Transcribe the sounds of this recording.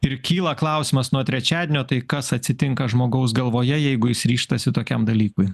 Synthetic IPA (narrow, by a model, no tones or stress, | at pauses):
ɪɾkʲiːlˠɐklˠɐˑʊsʲɪmɐsnuɔt̪ʲɾʲɛt͡ʃʲæːd̪ʲenʲoːt̪ɐɪkɐsɐt̪ʲsʲɪt̪ʲɪŋkɐʒmoːɡɐʊs̬ɡɐlˠʋoːjɛjɛɪɡʊjɪsɾʲiːʃt̪ɐsʲɪt̪oːkʲɛmd̪ɐlʲiːkʊɪ